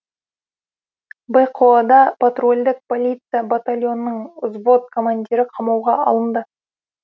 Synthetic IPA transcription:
bejqʰoɑd̪ɑpat̪ro̞lʲd̪ɪk̚po̞lʲijt̪sɨjabat̪alʲjo̞nːəɴʊzbo̞t̪̚kʰo̞mandʲiɾɪqʰɑmɑwʁɑɑ̰lˠənd̪ə

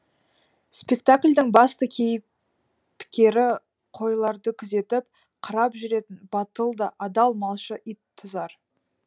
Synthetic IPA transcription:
spe̞k̚t̪aklʲd̪ɪŋbɑst̪əkʲʰe̞jɪp | pʰːɪ̥kʲe̞ɾɪ | qʰo̞jlˠɑɾd̪əkʲʰʏze̞t̪ɪp̚ | qʰəɾɑpʒʏɾe̞t̪ɪnbɑt̪əlˠd̪əʔɑd̪ɑlˠmɑlˠʃəʔit̪ʰːʊzɑɾ

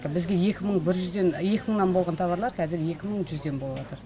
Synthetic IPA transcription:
əbɪzɡʲe̞je̞kʲɪməɴbɪɾʒʏzd̪e̞nje̞kʲɪməɴnɑnbo̞lˠʁɑnt̪ʰɑβɑɾlˠɑɾkʲʰæzɪɾje̞kʲɪməɴʒʏzd̪e̞nbolˠəbɑt̪əɾ

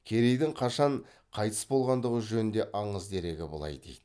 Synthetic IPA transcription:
kʲʰe̞ɾe̞jd̪ɪŋqʰɑʃɑɴ | qʰɑjt̪ʰə̥sbo̞lˠʁɑnd̪əʁəʒɵnɪnd̪e̞ʔɑɴəzd̪e̞ɾe̞ɡʲɪbʊlˠɑ̰jd̪ejd̪̥ɪ

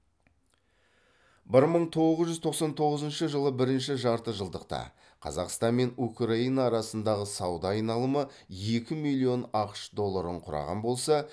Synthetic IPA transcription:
bɪɾməɴt̪ʰo̞ʁʁəzʒʏzt̪ʰo̞qsɑnt̪ʰo̞ʁəzənʃəʒəlˠəbɪɾɪnʃɪʒɑɾt̪əʒəlˠd̪əqt̪ɑ̰ | qʰɑ̰zɑ̰qst̪ɑnme̞nukrainɑːɾɑsənd̪ɑʁəsɑwd̪ɑːjnɑlˠəməje̞kʲɪmilʲˠːio̞nɑqʃd̪o̞lˠːaɾəɴqʰʊɾɑ̰ʁɑ̰nbo̞lˠsɑ

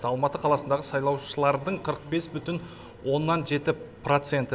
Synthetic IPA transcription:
ɑlˠmɑt̪əqʰɑlˠɑsənd̪ɑʁəsɑjlˠɑwʃəlˠɑɾd̪əɴqʰəɾəq̚be̞sbʏt̪ɪn | wo̞nːɑnʒe̞t̪ɪprot̪se̞nt̪ɪ

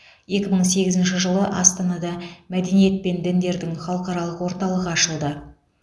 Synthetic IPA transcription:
je̞kʲɪməɴse̞ɡʲɪzɪnʃɪʒəlˠəʔɑst̪ɑnɑd̪ɑmæd̪e̞nije̞t̪̚pe̞nd̪ɪnd̪e̞ɾd̪ɪŋχɑlˠəqɑɾɑlˠəqwo̞ɾt̪ɑlˠəʁəɑʃəlˠd̪ə

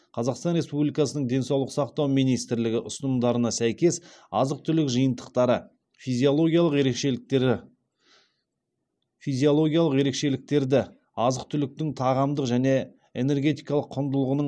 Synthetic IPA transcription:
qʰɑzɑqst̪ɑnɾe̞spublijkɑsənəɴd̪e̞nsɑwlˠəqsɑqt̪ɑwmijnijst̪ɪɾlɪɡʲɪʔʊsənəmd̪ɑɾənɑsæjkʲe̞sɑzəq̚t̪ʰʏlɪkʒəjənt̪ə̥qt̪ɑɾə | fijziolˠo̞ɡʲijɑlˠəqje̞ɾe̞kʃe̞lk̚t̪eɪ | fizijo̞lˠo̞ɡʲijalˠəqje̞ɾe̞kʃe̞lɪk̚t̪e̞ɾd̪ɪ | ɑzəq̚t̪ʰʏlɪk̚t̪ɪŋt̪ʰɑʁɑmd̪əqʒæne̞ | ene̞ɾɡʲe̞t̪ijkɑlˠəqʰːʊnd̪əlˠəʁənə

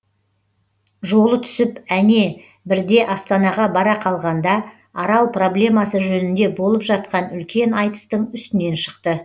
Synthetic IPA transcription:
ʒo̞lˠət̪ʰʏ̥sɪpæne̞ | bɪɾd̪e̞ʔɑst̪ɑnɑʁɑbɑɾɑqʰɑlˠʁɑnd̪ɑ | ɑɾɑlˠpro̞blʲe̞mɑsəʒɵnɪnd̪e̞bo̞lˠəpʒɑt̪̚qɑnʏlkʲe̞nɑjt̪ə̥st̪əɴʏst̪ɪne̞nʃə̥qt̪ə

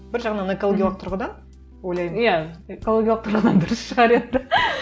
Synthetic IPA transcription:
bɪɾʒɑʁnɑnekolˠoɡʲjalˠəq̚t̪ʰʊɾʁəd̪ɑn | wojlˠɑjmijæekolˠoɡʲialˠəq̚t̪ʰʊɾʁəd̪ɑnd̪ʊɾəsʃəʁɑɾe̞nd̪ɪ

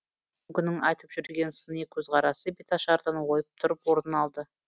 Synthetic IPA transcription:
ɡʲʏnɪŋɑjt̪əpʒ̥ʏɾɡʲe̞nsənekʲʰɵzʁɑɾɑsəbit̪ɑʃɑɾd̪ɑnwo̞jəp̚t̪ʰʊɾəpwo̞ɾənɑlˠd̪ə

